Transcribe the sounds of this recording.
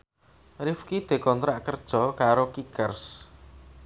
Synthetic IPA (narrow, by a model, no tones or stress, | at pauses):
rifkid̪̥e̤kɔnt̪ɾaʔkərd̥ʒ̥ɔ̤kaɾokikərs